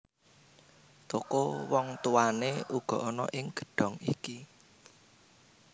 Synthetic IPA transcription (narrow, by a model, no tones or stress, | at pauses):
t̪okowɔŋt̪uaneʔuɡ̥ɔ̤ʔɔnɔ̰ʔɪŋɡ̥ə̤̥ɖ̥ɔ̤ŋiki